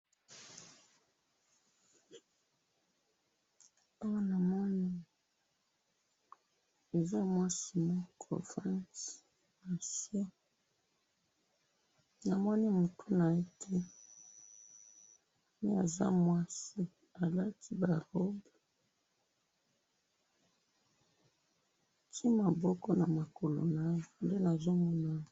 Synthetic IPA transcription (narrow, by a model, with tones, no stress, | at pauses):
a˦wa˦na˨mɔ˦ni˦ | e˨za˦mwa˦si˨ma˦kʰo̰˨fã˦ns | na˨sja˦ | na˨mwɔ˦ni˦mu˨tʰu˦na˨e˦tʰe˦ | mi˦a˨za̰˦mwa˦si˦ | a˨la˦ti˦ba˨ʁɔ˦b | tʰi˦ma˨bɔ˦kɔ˦na˨ma˨ko˨lo̰˨na˦˨nde˦na˨zo˦mɔ˦na˦